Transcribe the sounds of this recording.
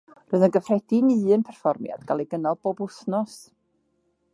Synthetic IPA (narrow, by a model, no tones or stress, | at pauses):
roɨðənɡəfrɛdinɨːɨnpʰɛrfɔrmja̰d̥ɡalˠiɡənalˠb̥oːbʊsnɔs